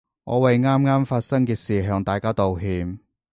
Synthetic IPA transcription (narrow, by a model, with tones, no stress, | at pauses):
ŋɔ̰ː˨˧wɐ˨jŋaː˥mŋaː˥mfaː˧t̚sɐ˥ŋkɛː˧siː˨˩ɦœː˧ŋt̪aː˨jkaː˥t̪o˨wɦiː˨˧m